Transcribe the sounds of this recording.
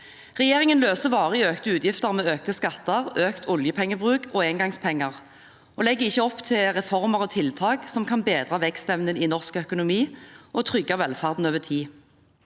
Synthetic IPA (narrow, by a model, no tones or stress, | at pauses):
ʁɛjeːʁɪŋənløːsəʋɑːʁəɪøːkt̪əʉːt̪jɪft̪əʁmɛːøːk̚t̪əskɑt̪ːəʁøːkt̪ʰʊljəpʰɛŋːəbʁʉːkʰoeːnŋɡɑŋspʰɛŋːəʁ | ʔoːlɛɡːəɪçːəɔpt̪ʰɪlʁɛfɔʁməʁɔːt̪ʰɪlt̪ʰɑːɡsɔmkʰɑnbeːd̪ʁɑʋɛkst̪ɛʋnəninɔʁskœkʊnʊmiːʔɔt̪ʰʁʏɡːɑʋɛlfɑʁd̪n̩øːʋət̪ʰiː